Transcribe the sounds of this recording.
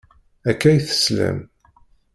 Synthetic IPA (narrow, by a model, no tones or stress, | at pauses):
ækːæjθə̥slæ̰m